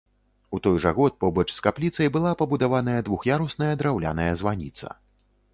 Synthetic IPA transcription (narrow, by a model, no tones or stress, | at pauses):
ut̪ɔjʐɐɣɔt̪̚pɔbɐt͡ʂskaplʲit̪sɐjbɨlˠapɐbud̪avan̪ɐjɐd̪vuxjaɾusnɐjɐd̪ɾawlʲa̰nɐjɛzvanʲit̪sɐ̰